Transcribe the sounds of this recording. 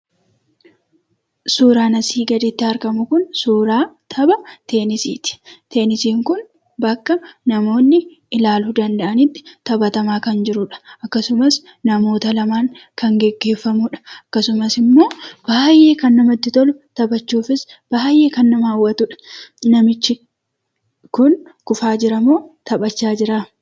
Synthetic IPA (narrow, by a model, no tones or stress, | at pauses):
suːɾaːnɐsiːɡɐd̪ɪt̪ːɪɐɾkɐmʊkʊnsuːɾaːt̪ʰɐbɐt̪e̞ːnɪsḭːt̪ɪ̥t̪e̞ːnɪsiːŋkʊn | bɐkːɐnɐmo̞ːnːɪ | ɪlaːlud̪ɐnd̪ɐʔɐnɪt̪ːɪ̥t̪ɐbɐt̪ɐmaːkɐnd͡ʒɪɾʊᶑɐ̥ɐkːɐsʊmɐs | nɐmo̞ːt̪ɐlɐmaːŋkɐŋɡɛɡːe̞ːfːɐmʊᶑɐ̥ɐkːɐsʊmɐsɪmːo̞ːb̥aːjːe̞ːkɐnːɐmɐt̪ːɪt̪ɔlʊt̪ɐbɐt͡ʃːuːfɪsb̥aːjːe̞ːkɐnːɐmaːwːɐt̪ʊᶑɐ̥nɐmɪt͡ʃːɪ | kʊnkʊfaːd͡ʒɪɾɐmoːt̪ɐbɐt͡ʃːaːd͡ʒɪɾaː